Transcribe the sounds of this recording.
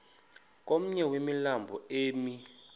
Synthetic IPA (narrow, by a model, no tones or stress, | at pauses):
k̬ʼom̩ɲɛwemilambʱɔeːmi